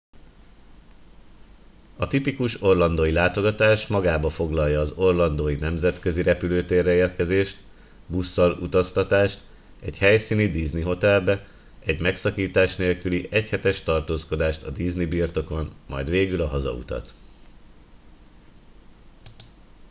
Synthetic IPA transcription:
ɒt̪ipikuʃo̞rlɒnd̪oːjilaːt̪o̞ɡɒt̪aːʃmɒɡaːbɒfo̞ɡlɒljɒːzo̞rlɒnd̪oːjinɛmzɛt̪kø̞ziɾɛpyløːt̪eːrːɛeːrkɛzeːʃt̪ | busːɒlṵt̪ɒst̪ɒt̪aːʃt̪ | ɛchɛjsiːnid̪izniɦo̞t̪ɛlbɛ | ɛɟmɛksɒkiːt̪aːʃneːlkyliʔɛchɛt̪ɛʃt̪ɒrt̪oːsko̞d̪aːʃt̪ɒd̪iznibirt̪o̞ko̞nmɒ̰jd̪ʋeːɡylɒɦɒzɒ̰ṵt̪ɒ̰t̪

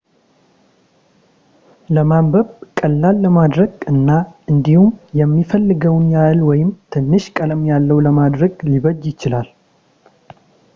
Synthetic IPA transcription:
ləmambəβkʼəlːalːəmad̪ɾəɡɨnːaʔɨnd̪ihumjɛmːifəlːɨɡəwnjalwɔjɪmt̪ʰɨnːɨʃkʼələmjalːəwləmad̪ɾəɡliβəd͡ʒːjɪt͡ʃɪlal

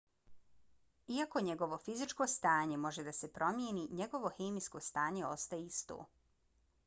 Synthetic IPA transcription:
iako̞ɲe̞ɡo̞ʋo̞fizit͡ʃkost̪aːɲe̞mo̞ʒe̞d̪ase̞pɾo̞mjeniɲe̞ɡo̞ʋo̞xeːmiskost̪aːɲe̞ost̪ajeist̪o̰ː

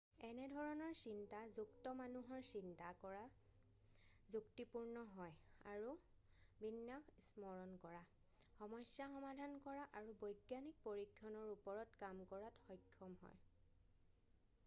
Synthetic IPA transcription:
ɛnɛdʱɔɹɔnɔɹsintazuktɔmanuɦɔɹsintakɔɹa | zuktipuɹnɔɦɔja̰ɹu | binːaksmɔɹɔnkɔɹa | xɔmɔsjaxɔmadʱankɔɹaʔaɹubojɡjanik̚poɹikʰːɔnɔɹupɔɹɔtkamkɔɹatxɔjkʰːɔmɦɔ̰j

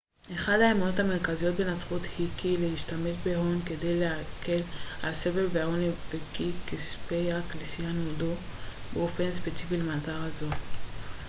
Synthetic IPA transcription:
ʔe̞χad̪haemono̞t̪hame̞ʁkazijo̞t̪̚benat͡sχuthikileiʃtame̞ʃbe̞ɦonke̞de̞jleake̞lalse̞ve̞lveahonivekikispejaklisianodo | beo̞fe̞nspet͡sifilemazaʁazo

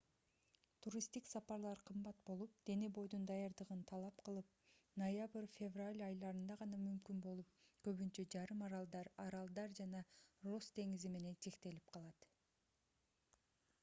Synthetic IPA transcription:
t̪ʰuɾʲist̪iksɑpɑɾlˠɑɾqʰɯmbɑt̪̚bo̞lˠup̚d̪̥e̞ne̞bo̞jd̪und̪ɑjɑɾd̪ɯʁɯnt̪ʰɑlˠɑpqɯlˠɯp̚nojabrfʲevralʲɑjlˠɑɾɯnd̪ɑʁɑnɑmymkynbo̞lˠup̚kø̞βynt͡ʃø̞d͡ʒɑɾɯmɑɾɑlˠd̪ɑɾɑɾɑlˠd̪ɑɾd͡ʒɑnɑro̞sd̪e̞ŋizime̞ne̞nt͡ʃʰe̞kt̪e̞lip̚qʰɑlˠɑt̪

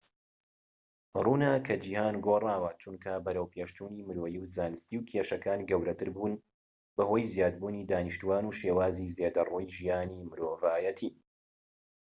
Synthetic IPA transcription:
ruːnakʰɐd͡ʒiːhaːnɡoːrˤaːwɐt͡ʃunkʰɐbɐɾɐwpʰeːʃt͡ʃuːniːmɨɾoːjiwzaːnɨst̪iːwkʰeːʃɐkaːnɡɐwɾɐt̪ɨɾbuːn | bɐhoːjzijaːd̪̚buːniːd̪aːnɨʃt̪uaːnuːʃeːwaːziːzeːd̪ɐroːjʒijaːniːmɨɾoːvaːjɐt̪ʰiː

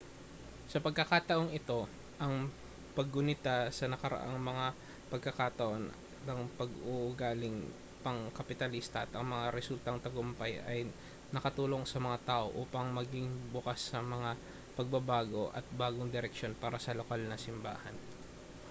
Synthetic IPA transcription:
sɐpɐɡ̚kɐkat̪ɐʔo̞ŋɪt̪o̞ | ʔɐŋ | pɐɡːʊnɪt̪asɐnɐkɐɾɐ̰ʔa̰ŋmɐŋa | pɐɡ̚kːɐkat̪ɐʔo̞n | nɐŋpɐɡʊʔʊɡaːlɪŋ | pɐŋkɐpɪt̪ɐlist̪ɐʔɐt̪ɐŋmɐŋaɾɛsult̪ɐŋt̪ɐɡʊmpajʔɐj | nɐkɐt̪uːlo̞ŋsɐmɐŋat̪aːʔo̞ʔuːpɐŋmɐɡɪŋbʊkasːɐmɐŋa | pɐɡ̚bɐbaːɡo̞ʔɐ̰t̪̚baːɡo̞ŋd̪ɪɾɛkʃo̞npaːɾɐsɐlokalnɐsɪmba̰ːhɐ̰n

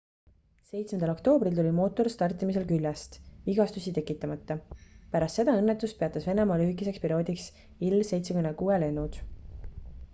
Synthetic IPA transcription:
se̞jt̪smed̪ɑlo̞kt̪o̞ːbrilt̪ulʲimo̞ːt̪ːˑo̞rst̪ɑrt̪ːˑimis̬e̞lkylʲjɑst̪viɡɑst̪usit̪e̞kːˑit̪ːˑɑmɑt̪ːɑpæɾɑst̪se̞d̪ɑɤnːet̪ːˑust̪̚pe̞ɑt̪ːˑɑsve̞nemɑːlyɦikːˑise̞kspiɾio̞ːd̪iks | ilːse̞jt̪sekymnekuːele̞nːud̪̥

